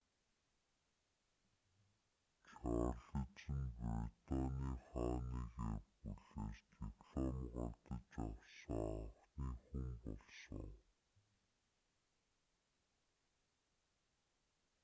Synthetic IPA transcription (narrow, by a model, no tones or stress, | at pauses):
t͡ɕʰɔːrɮə̆t͡ɕɘ̆npɾit̪ɔːniːχɔːniːɣexuɮeːst̪ipɮɔmɢɔrt̪ə̆t͡ɕɔwsɞŋăwniːxumpɔɮsɞ̰̆ŋ